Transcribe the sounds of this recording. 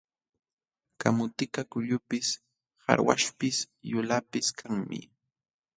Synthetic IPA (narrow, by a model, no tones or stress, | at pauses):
kamʊt̪ɪkakʊʎʊpɪs | ha̰ɾwa̰ʃpɪs | jʊlapɪskʰaŋmɪ̰